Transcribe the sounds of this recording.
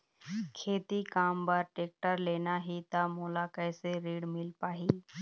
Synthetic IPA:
kʰeːt̪ikaːmbaɾʈeːk̚ʈəɾleːnaːɦit̪amoːlaːkəjseɾiːɽmɪlpaːɦiː

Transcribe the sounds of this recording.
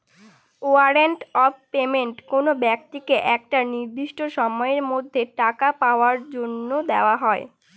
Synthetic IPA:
oaɾeɳʈɔbpemeɳʈkonobɛk̚t̪ikeʔɛkʈaniɾd̪iʃʈoʃɔmɔeeɾmod̪ʱːeʈakapaoaɾd͡ʑonːod̪eoaɦɔe

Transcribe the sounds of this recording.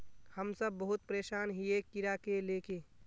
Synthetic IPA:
həmsəbːəɦʊt̪̚pɾeːʃaːnɦiekːɪɾakeleːke

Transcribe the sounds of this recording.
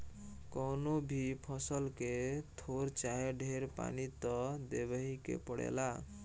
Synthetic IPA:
kɔnobʱipʰʌsʌlket̪ʰoɾt͡ʃaɦeɖʱeɾpa̰nit̪ɔd̪ebʌɦikḛpɔɽḛla

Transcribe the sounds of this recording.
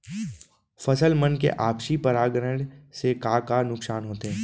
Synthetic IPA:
fɐsəlmənkḛʔaːpʃipɐɾaːɡɾəɽ̃sekaːkanʊksaːnɦoːt̪eɦɛ̃ː

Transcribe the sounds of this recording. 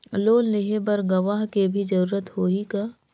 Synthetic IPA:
loːnlɪɦebəɾɡɐʋaːɦkebʱid͡ʒɐɾuːɾət̪hoːika

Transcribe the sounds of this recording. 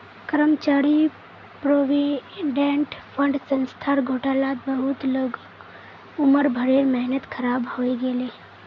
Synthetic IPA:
kəɾəmt͡ʃaːɾi | pɾoʋiɖẽɳʈpʰə̃ɳɖsə̃nst̪ʰaːɾɡʱoːʈaːlaːt̪̚bəɦʊt̪ləɡ | ʊməɾbʱəɾeɾmɛɦnət̪kʰəɾaːbhoeɡeleː

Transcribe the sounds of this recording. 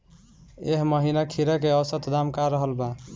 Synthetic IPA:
eɦməɦinakʰiɾəkeəsət̪d̪amkaɾəɦəlba

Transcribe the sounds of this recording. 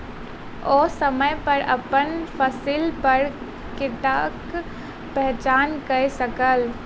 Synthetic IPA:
osəməjpəɾə̰pənpʰəsilpəɾ | kɪʈak | pɛɦt͡ʃaːnkəjsəkəl

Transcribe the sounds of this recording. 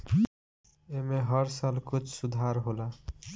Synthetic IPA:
emeɦʌɾsalkʊt͡ʃʰsud̪ʱaɾɦola

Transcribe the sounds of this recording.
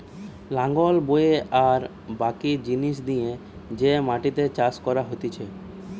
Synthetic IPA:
lãŋɡolboeʔaɾ | bakid͡ʑiniʃ̬d̪ije | d͡ʑemaʈit̪et͡ɕaskɔɾaɦot̪it͡ɕʰe

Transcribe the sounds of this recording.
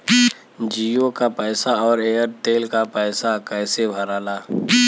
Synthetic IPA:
d͡ʒiːokapɛːsaɔːɾeːəɾt̪eːlkapɛːsakɛːsebʱəɾaːlaː

